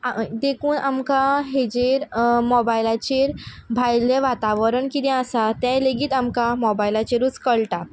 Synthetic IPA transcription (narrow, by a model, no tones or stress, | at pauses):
ad̪ekʰuːnʔamkaɦed͡ʑeɾmɔbajlat͡ɕeɾ | bʱajleʋat̪aʋəɾəɳkit̪ɛ̃əsat̪jãjleɡiːt̪amkamɔbajilat͡ɕeɾuːt͡skəɭʈa